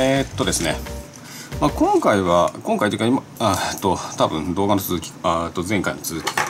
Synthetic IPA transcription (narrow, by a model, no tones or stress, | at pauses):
et̪ːo̞d̪e̞sɨne | maːkõ̞ŋkaiβakõŋkait̪eikaima | t̪ːot̪abɯ̟̃nd̪o̞ːɡanot͡sɨzɨkʲi̥t̪ːo̞zẽ̞ŋkainot͡sɨzɨkʲi̥ka